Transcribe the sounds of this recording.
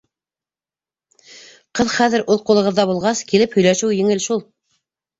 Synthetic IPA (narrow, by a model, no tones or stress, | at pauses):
qɤðχæðɘ̆ɾʔuðqulˠɤ̆ʁɤ̆ðːɑβulˠʁɑskilɘphɵ̆jlæʃɘwjɘ̆ŋɘlʃulˠ